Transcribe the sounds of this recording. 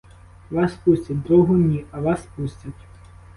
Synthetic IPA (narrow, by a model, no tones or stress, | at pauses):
ʋɑspusʲtʲɐt̚ʲd̪ɾɔɦʊnʲiɐʋɑspusʲtʲɐtʲ